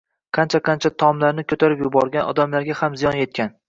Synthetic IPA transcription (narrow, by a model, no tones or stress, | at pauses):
qʰɑnt͡ʃʰaqʰɑnt͡ʃʰat̪ʰɒmlaɾnɪkʰɵt̪ʰaɾɪpjʊbɒɾɡʲanʔɒ̰d̪amlaɾɡʲahamzijɒnje̞t̪̚kʲan